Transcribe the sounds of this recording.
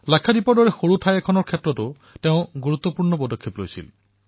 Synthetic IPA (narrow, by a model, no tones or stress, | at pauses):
lakʰːadipɔɹdɔɹɛxoɹutʰajɛkʰɔnɔɹkʰetɹɔtʊ | teʊ̃ɡuɹut̪ːɔpuɹnɔpɔdɔkʰːeplo̰jsḭl